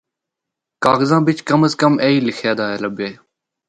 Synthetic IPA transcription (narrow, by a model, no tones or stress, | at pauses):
kaːɣəzãːbɪt͡ʃkəməskəmeːiːlɪxʰjaːd̪aːɦeːləbjeː